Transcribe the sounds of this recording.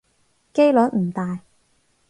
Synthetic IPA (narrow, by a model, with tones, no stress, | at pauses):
ke˥jlɔ˨˥t̚m̩˨˩t̪aː˨j